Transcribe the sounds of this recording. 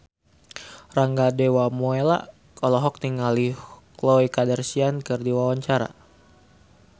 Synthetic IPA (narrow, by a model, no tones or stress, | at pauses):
raŋɡadɛwamoela̰ | kɔlɔɦɔk̚t̪iŋaliklɔikadɛrsiankɨrdiwawaɲt͡ʃaɾa̰